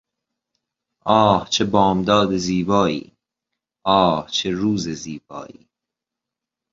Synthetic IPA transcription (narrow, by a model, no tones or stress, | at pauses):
ʔɒːht͡ʃʰebɒːmd̪ɒːd̪eziːbɒːḭː | ʔɒːht͡ʃʰeɾuːzeziːbɒ̰ːʔḭː